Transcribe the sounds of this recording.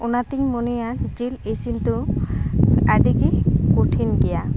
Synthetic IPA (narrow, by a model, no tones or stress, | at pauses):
unat̪iŋmonejad͡ʒilesint̪u | aɖikikoʈʰinɡeja